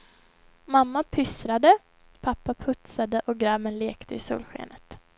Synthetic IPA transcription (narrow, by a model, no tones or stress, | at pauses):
mamːapʰʏsɾad̪ə | pʰapːapʰɵt̪sad̪əʔɔɡɾamənleːkt̪ʰəɪsṵːlɧḛːnət̪